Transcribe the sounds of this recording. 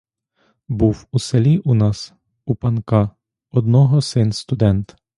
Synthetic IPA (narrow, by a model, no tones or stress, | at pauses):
buwuselʲiʔunɑs | upɐnkɑ | ɔd̪nɔɦɔsɪnst̪ʊd̪ɛnt̪